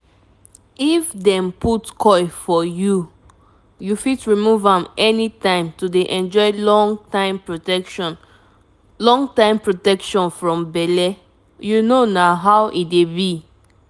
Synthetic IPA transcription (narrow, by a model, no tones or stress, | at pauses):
ifdɛ̃mputkʰɔɪfɔju | jufitɹimuvãmɛnitãɪ̃mtudeʔɛ̃nd͡ʒɔɪlɔŋtãɪ̃mpɹoɛn | lɔ̃ŋtãɪ̃mpɹotɛkʃɔ̃nfɹɔ̃mbɛlɛ | junonaɦaʊʔit̚debi